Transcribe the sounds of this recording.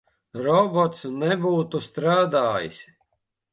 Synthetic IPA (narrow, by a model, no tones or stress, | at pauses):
ɾɔbɔt̪snɛbuːt̪ust̪ɾaːd̪aːjḭsʲ